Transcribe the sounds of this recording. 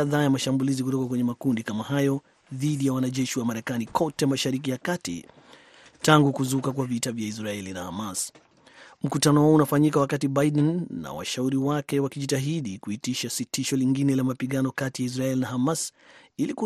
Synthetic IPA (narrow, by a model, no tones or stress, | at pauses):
aðaːjamaʃambulizik̬utɔkakwɛɲɛmakundikamahajɔ | ðiɗijawanaʄɛʃiwamaɾɛkanikʰɔtɛmaʃaɾik̬ijakatḭ | taŋɡukuzukakwavitavjais̬ɾaɛlinaha̰mas | m̩kutanɔwɔɔunafaɲikawakatibaiɗɛnːa̰wa̰ʃauɾiwakɛwakiʄitaɦiɗikuitiʃasitiʃɔliŋɡinɛlamapiɠanɔkatijais̬ɾaɛlinahamasiliku